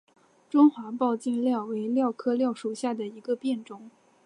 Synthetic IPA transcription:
ʈ͡ʂʊ˥ŋxwa˧˥pɑ˥˧ʊt͡ɕi˥˧nljɑ˥˩ʊwe˧˥ɪljɑ˥˩ʊkʰɤ˥ljɑ˥˩ʊʂu˨˩ɕja˥˩d̪ə˩i˧˥ɡə˧pjɛ˥˩nʈ͡ʂʊ˥˩ŋ

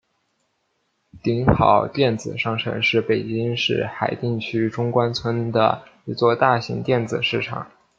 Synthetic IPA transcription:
t̪i˧˥ŋxɑ̰˨˩˦ʊt̪jɛ˥˩nd͡zɹ̩˨˩ʂɑ˥˩ŋʈ͡ʂʰə̰˧˥ŋʂɻ̩˥˩pe˨˩ɪt͡ɕi˥ŋʂɻ̩˥˩xa˨˩ɪt̪i˥˧ŋt͡ɕʰy˥ʈ͡ʂʊ˥ŋkwa˥nt͡sʰwə˥nd̪ə̰˨i˧˥t͡swɔ˥˧t̪a˥˩ɕḭ˧˥ŋt̪jɛ˥˩nd͡zɹ̩˨˩ʂɻ̩˥˩ʈ͡ʂʰɑ̰˨˩˦ŋ

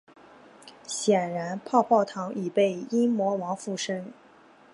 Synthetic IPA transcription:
ɕjɛ˨˩nɻa˧˥npʰɑ˥˧ʊpʰɑ˥˩ʊt̪ʰɑ˧˥ŋi˨˩pe˥˩ɪi˥mwɔ˧˥wɑ˧˥ŋfu˥˩ʂə˥ŋ

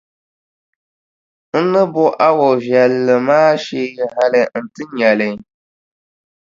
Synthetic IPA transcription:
n̩˦nɨ˦bʊ˦ʔa˦wɔ˨vjɛ˨lːɨ˨maː˦ʃi˦ɦa˦lɨ˨n̩˨tɨ˦ɲɛ˨lɪ˨

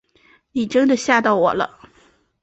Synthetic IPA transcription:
ni˨˩ʈ͡ʂə˥nd̪ə˨ɕja˥˧t̪ɑ˥˩ʊwɔ̰˨˩lə̰˦

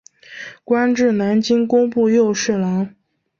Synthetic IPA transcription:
kwa˥nʈ͡ʂɻ̩˥˩na˧˥nt͡ɕi˥ŋkʊ˥ŋpu˥˧jo˥˧ʊʂɻ̩˥˩la˧˥ŋ

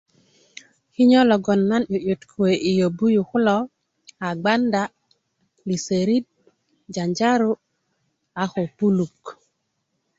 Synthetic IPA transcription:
ki˦ɲɔ˦lɔ˨ɡɔ˨nːa˦njo˨jo˨tkʰwe˨ʔi˨jo˨bu˦ju˨kʊ˦lɔ˦ | a˨ɡ͡ba˦nda˨ | li˨se˨ɾi˦d̚ | d͡ʒa˨ɲd͡ʒa˦ɾu˦ | a˨xo˨pu˦lu˨k

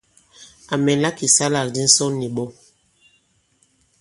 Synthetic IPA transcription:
a˨mɛ˨nla˦ki˨sa˦la˨kdi˦n̩˦sɔ˦ni˨ɓɔ˦

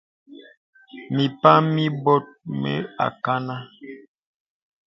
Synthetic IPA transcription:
mi˨pa˦mi˦bɔ˦t̚mɛ̰˦a̰˨ka˦na˦

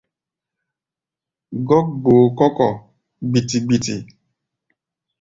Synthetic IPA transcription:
ɡɔ˦k̚ɡ͡boː˨kɔ˦kɔ˦˨ | ɡ͡bi˨ti˨ɡ͡bi˨tḭ˨

